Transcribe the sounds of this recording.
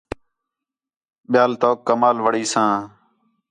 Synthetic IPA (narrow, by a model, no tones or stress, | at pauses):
ɓɪjaːlt̪oːkːəmaːlʋəɽiːsãː